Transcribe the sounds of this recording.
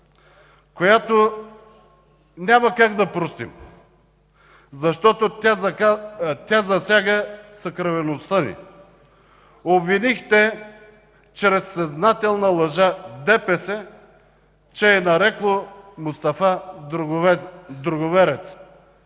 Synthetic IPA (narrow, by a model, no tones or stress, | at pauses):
kojat̪o | nʲaməkaɡd̪ɐpɾost̪ḭm | zɐʃt̪ɔt̪ot̪a | t̪ʲazɐsʲjaɡəsɐkɾɐvɛnost̪ənḭ | obvinixt̪ɛ | t͡ʃɾɛsːɐznat̪ɛlˠnəlˠɐʒad̪ɛpɛsɛ | t͡ʃɛːnɐɾɛklˠomʊst̪ɐfa | d̪ɾʊɡovɛɾɛt̪s